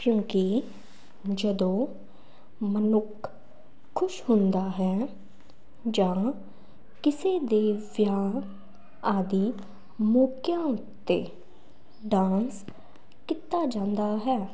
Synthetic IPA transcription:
kjõːki | d͡ʒəd̪õː | mənʊkʰː | ʊʃɦʊnd̪aːɦɛː | d͡ʒãː | kɪseːd̪eːʋjaː | aːd̪iː | moːkjãː | t̪eː | ɖãːs | kɪt̪ːaːd͡ʒãːnd̪aːɦɛː

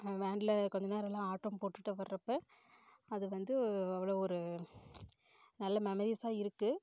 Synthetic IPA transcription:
ʋeːɳɖlɐkɔɲd͡ʒɐneːɾɛlːãːaːʈːoːmpoːʈːɯʈːɯʋɐɾɾɐpːe | ɐðɯʋɐnd̪ɯɐʋːɐɭoːɔɾɯ | nɐlːɐmɛmɐɾiːsaːɪɾɯkːɯ

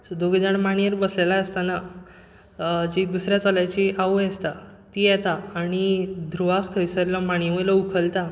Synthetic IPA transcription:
sɔd̪oɡid͡ʑaɽmaɳ̃ijəɾbəslelaəst̪ana | d͡ʑid̪usɾjat͡saljat͡ɕiʔaʋujɛst̪a | t̪ijɛt̪aaɽ̃id̪ʱɾuʋakʰt̪ʰəjsəɾlɔmaɽ̃jməlɔukʰəlt̪a

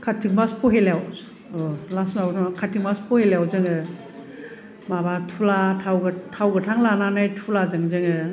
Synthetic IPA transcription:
kʰatʰik̚maspʰɔɦeljaw | ɔlasmabɔtʰamakʰatʰik̚maspʰɔheljawzɯŋɯ | mabatʰulatʰawɡɯtʰawɡɯtʰaŋlananajtʰulazɯŋzɯŋɯ

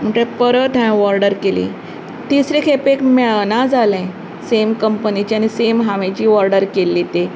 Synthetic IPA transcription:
m̤əʈepəɾəʈ̪ʰãʋɔɾɖəɾkelḭ | t̪isɾẽkʰepekmɛɭnad͡zalɛ̃ | semkəmpənit͡ɕianisemɦaʋẽt͡ɕiːʋɔɾɖəɾkelːit̪e

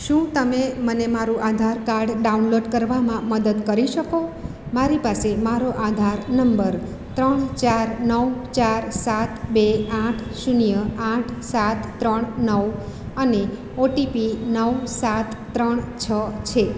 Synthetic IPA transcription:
ʃũt̪əmemənemaɾũʔad̪ʱaɾkaɾɖɖaunloɖkəɾʋamãməd̪əd̪kəɾiʃəko | maɾipasemaɾoʔad̪ʱaɾnəmbəɾ | t̪ɾəɳt͡ʃaɾnəʋt͡ʃaɾsat̪beãʈʰʃunijəãʈʰsat̪ːɾəɳnəʋəne | oʈipinəʋsat̪ːɾəɳt͡ʃʰət͡ʃʰe

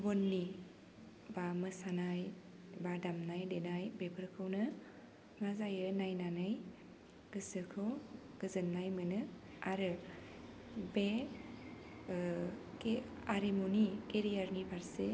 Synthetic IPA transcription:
bɔnːi | bamɯsanaj | badamnajdenajbebʰɯɾkʰɯwnɯ | ŋazajɯnajnanɯj | ɡ̥ɯsɯkʰɯw | ɡ̥ɯzɯnːajmɯnɯ | aɾɯ | be | ke | aɾemunikeɾijaɾnibʱaɾse

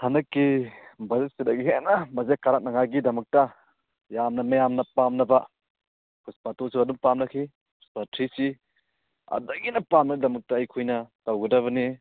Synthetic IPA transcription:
hɐnɐkːibɐzet̚sidɐɡiɦenɐmɐzekaɾak̚nɐŋajɡidɐmɐk̚tɐ | jamnɐmɐjamnɐpamnɐbɐ | kʰuspatosiɐdumpamnɐkʰi | kʰuspatʰɾisi | ɐ̰dɐɡinɐpamnɐɡidɐmɐk̚tɐːjkʰujnɐtɐwɡɐdɐβɐni

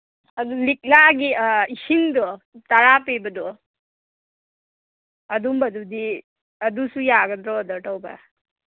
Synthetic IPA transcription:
ɐd̪uliklaɡiisiŋd̪ɔ | t̪ɐɾapebɐd̪ɔ | ɐd̪umbɐd̪ud̪i | ɐd̪usujaːɡəd̪ɾɔd̪ɔʈɔwba̰

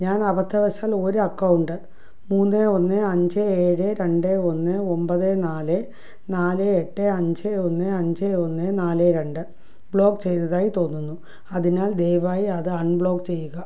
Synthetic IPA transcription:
ɲaːnɐbɐt̪ʰːɐʋɐɕaːlo̞ɾuɐkːɐwɳɖɨ | muːnːeo̞nːɨɐɲd͡ʑɨeːɻɨɾe̞ɳɖeonːɨo̞mbɐðenaːlɨ | naːlɨeʈːeɐɲd͡ʑeo̞nːeɐɲd͡ʑeo̞nːenaːleɾe̞ɳɖɨ | bɭo̞ːkt͡ɕe̞jnɐðaːjit̪o̞ːnːunːu | ɐðinaːld̪ejʋaːjiɐðɨɐɳbɭo̞ːkt͡ɕe̞jːuɣɐ

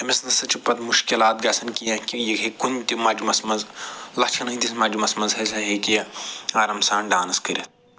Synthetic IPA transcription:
ɐmisnɐsɐt͡ʃupɐt̪muʃkilaːt̪̚ɡɐsɐnkijɐ̃kijɐkɐkunʲt̪ʲimɐd͡ʒumɐsmɐzlɐht͡ʃʰɐnɐit̪ismad͡ʒumɐsmɐzɦɐsɐɦikijɐɐɾɐmsaːnɖaːnɐskɨɾʲit̪̚

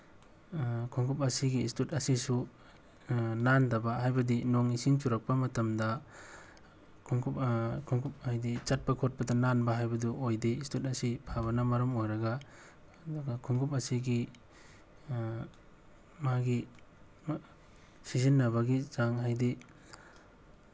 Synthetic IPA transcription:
kʰuŋɡʰup̬ɐsiɡiːstutɐsisu | nandɐbɐɦajbɐdinoŋisiŋtuɾɐk̚pɐmɐtɐmdɐ | kʰuŋɡupkʰuŋɡup̚hajdit͡ʃɐt̚pɐkʰot̚pɐdɐnanbɐɦajbɐduʔojdistutɐsipʰaβɐnɐmɐɾɐmojɾɐɡɐ | duɡɐkʰuŋɡʰup̬ɐsiɡi | maɡi | sizinːɐbɐɡizaŋɦajdi

